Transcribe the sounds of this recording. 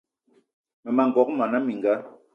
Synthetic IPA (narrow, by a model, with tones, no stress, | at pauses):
mɛ˨ma˨ŋɡɔ˨˦k̚ma˨na˦mi˨ŋ˨ɡa˦